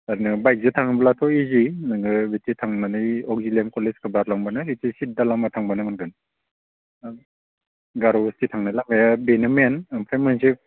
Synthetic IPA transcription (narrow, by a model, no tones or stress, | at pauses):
aɾnɯbajk̚zɯtʰaŋɯblatʰɔizinaŋɡɯbititʰaŋnanajɔk̚zilemkɔleskɯbaɾlaŋbanɯhitisit̚dalamatʰaŋbanamanɡɯn | ɡaɾɔbistitʰaŋnajlamajabenamenɯmpʰamansi